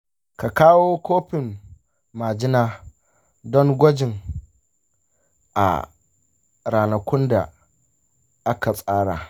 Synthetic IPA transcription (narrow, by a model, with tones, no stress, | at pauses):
ka˨kaː˦woː˦kʷoː˦ɸɪ˨mː | aː˨d͡ʒɪ˦naː˦ | dɔ˦ŋɡʷɔ˦d͡ʒɪ˨ŋ | ʔa̰˨ | ɾaː˨nɐ˨kʷʊ˦nda̰˨ | ʔa˦ka˨sʼaː˦ɽa˨